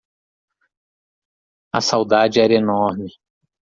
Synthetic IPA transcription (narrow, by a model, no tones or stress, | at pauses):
ɐsawd̪ad͡ʒɪɛɾɐenɔɾmɪ